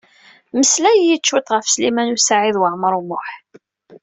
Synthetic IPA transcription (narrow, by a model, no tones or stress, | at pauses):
məslæjjit͡ʃːwut̪ˤʁəfslimænusaʕiðwəʕməɾˤumʊħ